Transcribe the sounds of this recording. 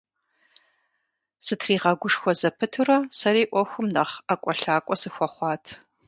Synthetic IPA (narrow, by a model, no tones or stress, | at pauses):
sɨtʰriːʁɐɡʷʊʂxʷɔzɐpʰɨtʰurɐsɐriːʔʷɔxʷʊmnɐχakʷʼɔɬaːkʷʼɔsɨxʷɔχʷɑːtʰ